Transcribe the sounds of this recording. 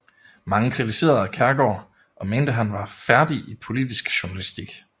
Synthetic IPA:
mɑ̈ŋəkʰʁit͡sʰise̝̰ːɐð̩ˠækʰæɐɡ̥ɒ̰ː | ʔɒ̽me̝ːnd̥əɦænʋɑ̈fæɐd̥iʔipʰo̝lid̥isɡ̥ɕunælisd̥iɡ̥

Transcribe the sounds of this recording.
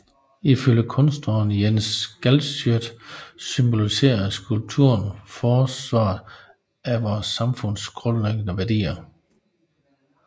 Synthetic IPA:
iføljəkʰɔ̽nsd̥ʁɐːnjensɡ̥ælsød̥symb̥o̝lise̝̰ːɐsɡ̥ulb̥̚t͡sʰuɐ̰nfɒːsʋɑ̰̈ː | æʋɒːsɑ̈mfɔ̽n̰sɡ̥ʁɔ̽nleɡ̥ənəʋæɐdḭːɐ

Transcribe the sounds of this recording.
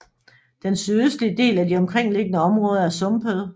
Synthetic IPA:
d̥ensyðˠøsd̥liəd̥e̝̰ːlædiɒ̽mkʰʁeŋ̰le̝ɡ̥ənəɒ̽mʁɔ̽ːð̞ˠɐæɐsɔ̽mb̥ʰəð̩ˠ

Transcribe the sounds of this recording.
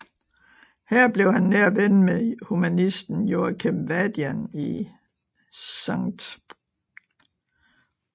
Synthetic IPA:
hæɐ̰b̥le̝ʊhænːeɐ̰ʋenmehumænisd̥n̩joːɐkʰemʋæd̥jæni | sɑŋd̥

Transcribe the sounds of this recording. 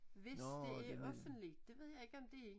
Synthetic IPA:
ʋe̝sdæɐɒfən̥lid̥d̥e̝ʋe̝ð̞̰ˠjɑɪe̝ɡ̥əɒ̽md̥e̝

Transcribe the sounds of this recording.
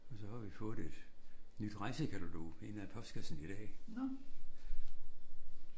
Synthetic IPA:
ɒ̽sɒ̽hɑ̈ʋifɔ̽ːð̩ˠe̝d̥nyd̥ʁɑ̈ɪsəkʰæɾ̥uloe̝næpʰɒ̽sɡ̥æsn̩id̥ɛ̰ː

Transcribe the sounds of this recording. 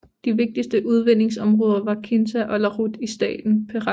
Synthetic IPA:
d̥iʋe̝ɡ̥̚d̥isd̥əʔuð̞ˠʋen̰e̝ŋsɒ̽mʁɔ̽ːð̞ˠɐʋɑ̈kʰe̝nsʰæʔɒ̽lɐʁud̥isd̥ɛ̰ːd̥n̩pʰeʁɑ

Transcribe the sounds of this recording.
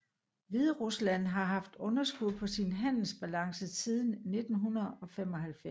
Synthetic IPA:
ʋiðˠʁuslæn̰ɦɑ̈ɦɑ̈fd̥ɔ̽nɐsɡ̥uðˠpʰɒ̽sinɦæn̰l̩sb̥ælɑ̈ŋsəsiːð̞ˠn̩ne̝d̥n̩ɦunɐð̩ˠɒ̽fem̰ɒ̽ɦælf

